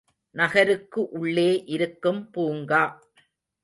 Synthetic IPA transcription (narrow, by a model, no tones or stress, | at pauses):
nɐɣɐɾɯkːɯʔʊɭːeːʔɪɾɯkːɯmpuːŋɡaː